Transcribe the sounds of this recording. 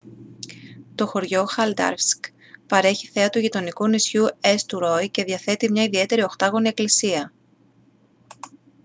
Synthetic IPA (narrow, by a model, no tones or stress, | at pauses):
t̪o̞xo̞ɾʝo̞xɐld̪ɐ̰ɾvsk | pɐɾe̞çiθe̞ɐt̪uʝit̪o̞nikunisçue̞st̪uɾo̞jce̞ðjɐθe̞t̪imɲɐiðie̞t̪e̞ɾio̞xt̪ɐɣo̞nie̞klisiɐ